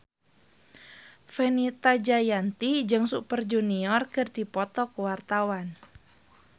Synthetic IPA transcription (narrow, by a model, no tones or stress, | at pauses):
fɛnit̪ad͡ʒajant̪id͡ʒɨŋsupərd͡ʒuniɔrkɨrdipɔt̪ɔkəwart̪awan